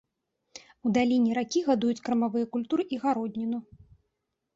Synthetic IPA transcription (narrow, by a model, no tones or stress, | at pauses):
ud̪alʲinʲɛɾakʲiɣad̪ujut͡sʲkɾɐmavɨjɐkulʲt̪uɾɨʔiɣaɾɔd̪ʲnʲinu